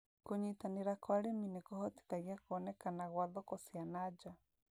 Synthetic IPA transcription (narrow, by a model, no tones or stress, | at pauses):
koɲitaneɾakwaɾeminekɔhɔti̥kaɣiakoɔnɛkanaɣwaðɔkɔsianad͡ʒa